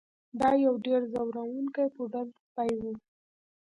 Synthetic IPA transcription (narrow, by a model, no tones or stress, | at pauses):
d̪ɑjawɖeɾzawɾawuŋkajpəɖanpajwu